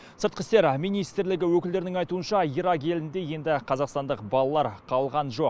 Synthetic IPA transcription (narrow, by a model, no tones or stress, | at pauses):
səɾt̪̚qəst̪e̞ɾmijnijst̪ɾlɪɡʲɪwɵkɪld̪e̞ɾɪnɪŋɑjt̪uənʃɑiɾɑɡʲe̞lɪnd̪e̞je̞nd̪ɪqʰɑzɑqst̪ɑnd̪əqbɑlˠɑlˠɑɾqʰɑlˠʁɑnʒo̞q